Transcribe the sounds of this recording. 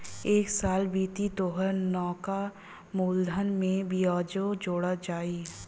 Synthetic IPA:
eːksaːlbiːt̪it̪oːɦəɾnɔːka | muːld̪ʱənmẽbiɔːd͡ʒod͡ʒoːɽad͡ʒaːi

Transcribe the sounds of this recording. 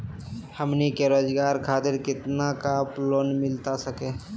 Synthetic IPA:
həmnikeɾoːd͡ʒɡaːɾkʰaːt̪ɪɾkɪt̪nakaploːnmɪlt̪asəkẽː

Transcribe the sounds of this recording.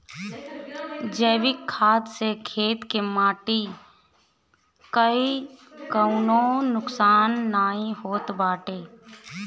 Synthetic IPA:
d͡ʒəːʋɪkʰːaːd̪sekʰeːt̪kemaːʈi | kəikəʊnõnʊksaːnːaːĩhoːt̪baːʈeː

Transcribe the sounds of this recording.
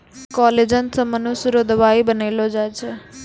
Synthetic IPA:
kɔled͡ʒənsəmənuʃɾod̪ʱʋaibənelod͡ʒajt͡ʃʰe

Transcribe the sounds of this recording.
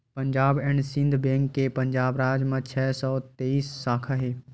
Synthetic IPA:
pəɲd͡ʒaːbɛɳɖsĩnd̪ʱbẽːŋkːepə̃ɲd͡ʒaːbɾaːd͡ʒmə̃t͡ʃʰɛːsɔːt̪eːiːsːaːkʰəɦe

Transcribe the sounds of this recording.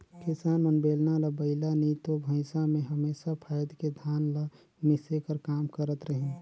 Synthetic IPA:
kisaːnmənbeːlnaləbəɪlanit̪obʱə̃ɪsamẽɦəmeːsapʰajd̪ked̪ʱaːnla | misekəɾkaːmkəɾət̪ɾəɦi

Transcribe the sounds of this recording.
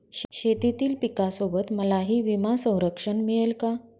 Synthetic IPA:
ɕɕet̪it̪iːlpikasobət̪məlaɦiːʋimasə̃w̃ɾəkʂənmiɭelka

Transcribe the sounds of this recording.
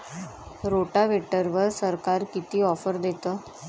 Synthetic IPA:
ɾoʈaʋeʈəɾʋəɾsəɾkaɾkit̪iːɔfəɾd̪et̪əː

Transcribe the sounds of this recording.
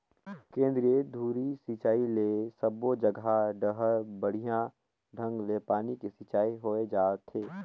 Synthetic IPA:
kẽːnd̪ɾijed̪ʱuːɾisit͡ʃaːilesəbod͡ʒəɡʱaɖəɦəɾbəɽ̤ijã | ɖʱə̃ŋɡlepaːnikisɪt͡ʃaːiɦoed͡ʒaːɾt̪ʰːeː

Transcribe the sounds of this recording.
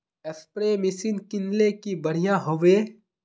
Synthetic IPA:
ɐspɾeːmɪsiːnkɪnlekibɐɽ̤ijãɦoʋe

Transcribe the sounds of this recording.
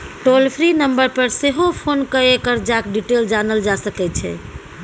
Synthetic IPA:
ʈolpʰɾinəmbəɾpəɾseɦopʰonkəekəɾd͡ʒakɖiʈeld͡ʒanəld͡ʒasəkɛt͡ʃʰɛ̰

